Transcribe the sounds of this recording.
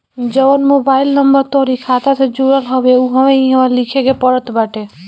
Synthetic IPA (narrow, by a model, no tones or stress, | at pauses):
d͡ʒəənmobaːɪlnəmbəɾt̪ɔːɾikʰat̪ased͡ʒoɾəlɦɔbeuɦəʋeiɦəʋalikʰekepəɽət̪baʈe